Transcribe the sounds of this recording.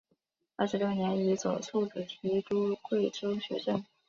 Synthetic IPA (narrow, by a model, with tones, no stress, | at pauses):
a˥˩ʂɻ̩˥jo˥njɛ˧˥ni˧˥t͡so˨˩ʊt͡sʰu˥˩ʈ͡ʂə˨˩t̪ʰi˧˥ʈ͡ʂu˥kwe˥˩ɪʈ͡ʂo˥ʊɕɥɛ̰˧˥ʂə˥˩ŋ